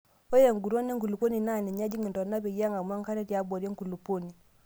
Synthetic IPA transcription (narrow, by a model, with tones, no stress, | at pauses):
o˦je˨ŋɡu˨ɾo˦ni˦ŋ˦ɡu˨lu˨po˦ni˨na˦˨nɛ˨ɲa˦d͡ʒi˦ŋi˨ndɔ˨na˦bɛ˨ja˦ŋa˨m˦a˦ŋ˦ka˦ɾɛ˦tja˦bo˨ɾje˦ŋku˨lu˨po˦ni˨